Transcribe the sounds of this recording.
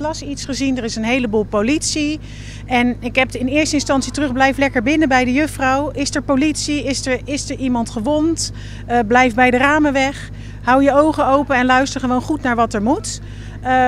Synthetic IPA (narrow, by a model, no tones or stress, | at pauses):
lɑsitsχəzindəɹɪsənɦejləbuːlˠpowlitsi | ɛnɪkɦɛpɪnɪːɹstəɪnstɑnsitərɵχblɛjflɛkəɹbɪnəbɛjdəjɵχfrɑwɪsəɹpowlitsiɪsəɹɪsəɹʔimɑntχəʋɔnt | blɛjfbɛjdəraːməʋɛχ | ɦʌwjəowχəowpənɛnlœɥstəɹχəʋownχutnaːɹʋɑtɛɹmut